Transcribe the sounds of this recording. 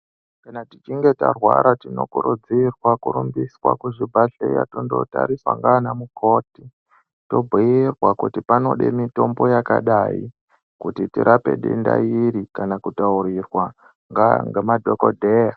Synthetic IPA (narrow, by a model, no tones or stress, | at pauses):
kanatit͡ʃiŋɡe̞tarwaɾatino̞kuɾud͡zirwakuɾumbiswa̰kuʐibʱaɬḛja̰tondo̰ta̰ɾiswa̰ŋɡaːnamukʰo̞ti | to̞bʱiirwakutipano̞ɗḛmito̞mbo̞jakaɗaḭ | kutitiɾʔape̞̰ɗḛnda̰jiɾikanakutauɾirwa | ŋɡaŋɡemadʱokodʱeja